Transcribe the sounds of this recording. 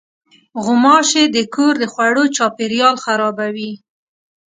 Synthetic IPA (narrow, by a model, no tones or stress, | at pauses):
ɣʊmɑʃed̪əkʰoɾd̪əxwaɽot͡ʃɑpeɾjɑlxaɾɑbawi